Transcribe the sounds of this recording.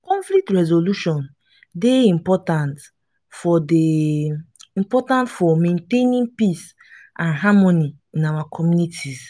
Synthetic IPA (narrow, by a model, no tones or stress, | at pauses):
kɔ̃ɱflik̚tɹɛzoluʃɔ̃n | deĩmpɔtãnt | fɔde | ĩmpɔtãntfɔmẽntẽnĩnpis | ʔãnɦamɔni | ĩnawakʰɔmjunitʰiz